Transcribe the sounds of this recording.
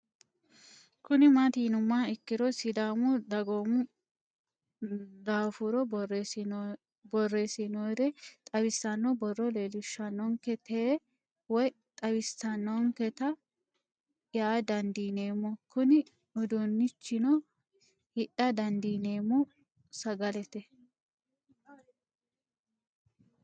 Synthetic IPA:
kʊnɪmat̪iːnʊmːaɪkːɪdɔsɪd̪aːmʊd̪ɐɡoːmʊ | d̪aːfuɾɔ | bɔrːeːsɪnod̪ɛt̪ʼɐwɪsːɐnːɔbɔrːɔleːlʊʃːɐnːɔŋkɛt̪ʰeː | wɔj | t̪ʼɐwɪsɐnːɔŋkɛt̪ɐ | jaːd̪ɐnd̪iːne̞ːmːɔkʊnɪ | ɔd̪onːɪt͡ʃːɪnɔ | hɪʔːɐd̪ɐnd̪iːne̞ːmɔ | sɐɡɐlɛt̪ɛ

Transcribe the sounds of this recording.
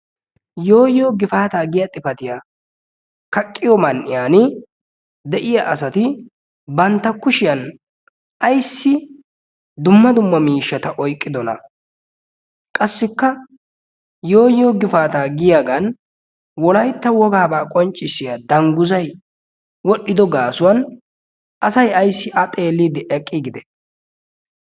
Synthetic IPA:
jo̞ːjːoːɡɪfaːt̪aːɡɪjat̪ʼɪfɐt̪ɪjaː | kɐkʼːɪjɔmɐnʔɪjaːnɪ | d̪ɛʔɪjaʔɐsɐt̪ɪ | bɐnt̪ːɐkʊʃɪjɐn | ʔɐjsːɪ | d̪ʊmːɐd̪ʊmːɐmiːʃːɐt̪ɐʔɔjkʼːɪd̪ɔnɐ̰ | kʼɐsːɪkːɐ | jo̞ːjoːɡɪfaːt̪aːɡɪjaːɡɐn | wɔlɐjt̪ːɐwɔɡaːbaːkʼɔnt͡ʃʼːɪsːɪjad̪ɐŋɡʊzɐj | wɔɗːɪd̪ɔɡaːsʊwɐn | ʔɐsɐjɐjsːɪʔɐt̪ʼe̞ːlːiːd̪ɪʔɛkʼːɪɡɪd̪ɛ

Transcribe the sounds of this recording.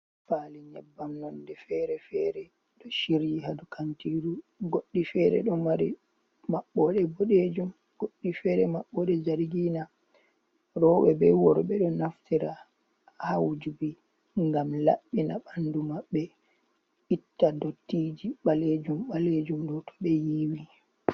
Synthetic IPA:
faːliɲɛ̰bːamnɔndɛfɛɾɛfɛɾɛ | ɗɔʃiɾjihadukʰantiɾuɡoɗːifɛːɾɛ̰ɗɔmaɾi | maɓːɔɗɛboɗed͡ʒum | ɡ̥oɗːifɛɾɛmaɓːɔɗɛd͡ʒaɾɡiːna | ɾɔwɛbɛwɔɾɓɛɗɔnaftiɾa | hawd͡ʒubi | ŋɡamla̰ɓːinaɓandumaɓːɛ | itːadotːid͡ʒiɓaled͡ʒumɓaled͡ʒumɗɔtʰɔ̥ɓɛjiːwi

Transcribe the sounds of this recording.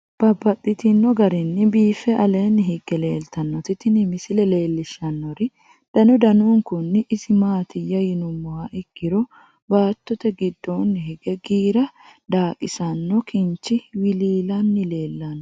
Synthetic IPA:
b̥ɐbːɐt̪ʼːɪt̪ɪnːɔɡɐɾɪnːɪbiːfɛʔɐleːnːɪɦɪɡɛle̞ːlt̪ɐnːɔt̪ɪt̪ɪnɪmɪsɪlɛle̞ːlːɪʃɐnːɔɾɪ | d̪̥ɐnʊd̪ɐnuːŋkʊnːɪʔɪsɪmaːt̪ɪjːɐjɪnʊmːɔhɐʔɪɡ̥ːɪɾɔ | baːt̪ːɔt̪ɛɡɪd̪ːonːɪhɪɡɛɡiːɾɐd̪aːkʼɪsɐnːɔkʰɪnt͡ʃːɪwɪliːlɐnːɪle̞ːlːɐnːɔ

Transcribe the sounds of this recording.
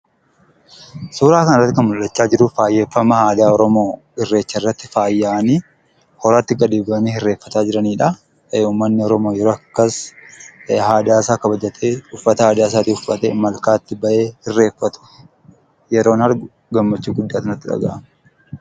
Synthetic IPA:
suːɾaːkɐnɐrːɐt̪ːɪkɐnmʊlːɐt͡ʃːaːd͡ʒɪɾʊfaːjːe̞ːfːɐmɐhaːd̪aːɔɾɔmo̞ː | ɪrːe̞ːt͡ʃːɐɪrːɐt̪ːɪfaːjːaːniː | hɔɾaːt̪ːɪɡɐd̪iːbɐɐniːhɪrːe̞ːfːɐt̪aːd͡ʒɪɾɐniːᶑɐ | uːmːɐnːɪɔɾɔmo̞ːjɛɾoːɐkːɐs | haːd̪aːsaːkɐbɐd͡ʒɐt̪ʰeːʊfːɐt̪ɐhaːd̪aːs̬aːt̪ɪʊfɐt̪ɛ̰mɐlkaːt̪ːɪbɐʔe̞ːhɪrːe̞ːfːɐt̪ʊ̥ | jɛɾo̞ːnhɐɾɡʊ | ɡɐmːɐt͡ʃːuːɡʊd̪ːaːt̪ɪnɐt̪ːɪᶑɐ̰ɡa̰ʔɐm

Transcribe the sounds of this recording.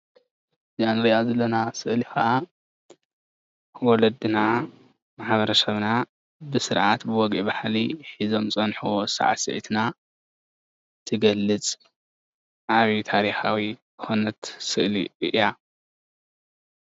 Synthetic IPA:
zianɨɾiʔazɐlːɐnasɨʔlixɐʔa | wɔlɐd̪ɨna | maħβɐɾɐsɐβna | bɨsɨɾʕat̪bɨwɔɡʔibaħliħizo̞mt͡sʼɐnħuwosa̰ʕa̰sɨ̰ʕḭt̪na | t̪ʰɨɡɐlːɨt͡sʼ | ʔaβit̪ʰaɾixawi | xonɐt̪sɨʔlḭʔɨʔja

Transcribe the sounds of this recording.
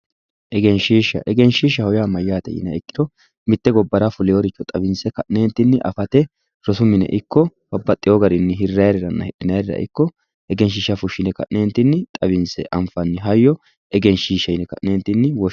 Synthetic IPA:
ʔɛɡɛnʃiːʃɐ̰ʔɛɡɛnʃiːʃɐhɔjamɐjːaːt̪ɛ̰jɪ̰nɐɪkːɪ̥d̪ɔ | mɪt̪ːɛɡɔbːɐɾafʊlɪjɔɾɪt͡ʃːɔt̪ʼɐbɪnsɛkɐʔneːnt̪ːɪnːɪʔɐ̰fɐt̪ɛ | ɾɔsʊmɪnɛ̰ʔɪkːɔbɐbːɐt̪ʼːɪjɔɡɐɾɪnːɪɦɪrːɐjɾɛɾɐnːɐ̰hɛɗɪnɐjɾɾɐ̰ʔɪ̰kːɔ | ʔɛɡɛnʃ̬ɪʃːɐfʊʃːɪnɛkɐ̰ʔneːnt̪ːɪnːɪt̪ʼɐbɪnsɛ̰ʔɐmfɐnːɪɦɐjːɔ | ɛɡɛnʃiːʃːɐjɪnɛkɐ̰ʔneːnt̪ːɪnːɪwɔ

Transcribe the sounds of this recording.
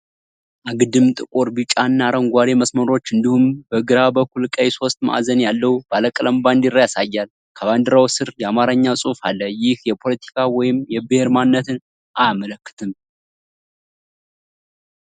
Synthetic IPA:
ʔaɡɨd̪ɨmt̪ʼɨkʼoɾbɨt͡ʃʼanːaɾəŋɡʷaɾeməsməɾo̞t͡ʃːɨnd̪ihumbəɡɨɾabəkːulkʼəjso̞st̪ma̰ʔzənjalːəub̥aləkʼələmband̪ɪrːajasajːal | kʰəβand̪ɨɾawsɨɾjɛamaɾəɲːasʼufalːəjɪhjɛpʰo̞lət̪ʰi̥kʰawɔjɪmjɛbɨheɾmannːət̪ʰɨn | ʔajamələkːɨ̥t̪ʰɨm

